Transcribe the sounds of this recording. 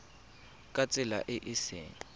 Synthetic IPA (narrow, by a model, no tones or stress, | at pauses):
kʼat͡sʼɪla̰ʔɪʔɪsɛ̰ːn